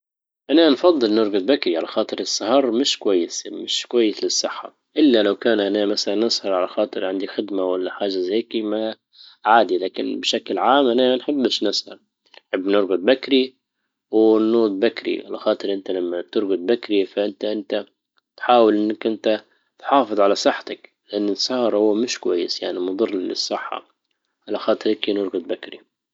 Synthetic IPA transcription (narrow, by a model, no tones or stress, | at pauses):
ʔananfɑðˤːɨlnɪɾɡʊd̪̚bakɾiʕalaxɑːt̪ˤɨɾɪsˤːɑhɑɾˤmɪʃkwajːɪsmɪʃkwajːɪslɪsˤːɪħːa̰ | ʔɪlːalawkaːnʔanamasalanʔɨsˤhɑɾˤʕalaxɑːt̪ˤɨɾʕɪnd̪ixɪd̪mawalːaħaːʒazeːkima | ʕaːd̪ilaːkɪ̰nbɪʃaklʕaːmʔananħɪbːɪʃnɪshɑ̰ɾ | nħɪbːnɪɾɡʊd̪̚bakɾi | wɪnuːd̪̚bakɾḭʕa̰la̰xɑːt̪ˤɨɾʔɪnt̪alamːat̪ɪɾɡʊd̪̚bakɾifaʔɪnt̪aʔɪnt̪a | t̪ħaːwɪlʔɪnːakʔɪnt̪a | t̪ħɑːfɨðˤʕalasˤɨħːt̪ak | lɪʔanːɪsɑhɑɾˤhʊwːmɪʃkwajːɪsjaʕnimʊd̪ˤɨrˤːlɪ̰sˤːɨħːɑ̰ | ʕalaxɑːt̪ˤɨɾɪkinʊɾˤɡʊd̪̚ˤbakɾi